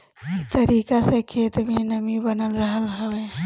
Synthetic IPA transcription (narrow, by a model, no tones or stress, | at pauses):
it̪əɾikasə̃kʰet̪menəmibənəlɾəɦəlɦəbɛ